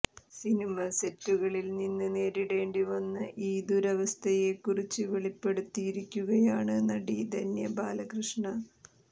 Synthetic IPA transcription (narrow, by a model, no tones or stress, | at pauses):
sinimɐsetːuɣɐɭilninːɨne̞ːɾiɽe̞ːɳɖiʋɐnːɨʔiːd̪uɾɐʋɐst̪ʰɐjekːurit͡ɕːɨʋeɭipːe̞ɽut̪ːijiɾikʲːuɣɐjaːɳɨnɐɽid̪ɐnjɐbaːlɐkrɨʂɳɐ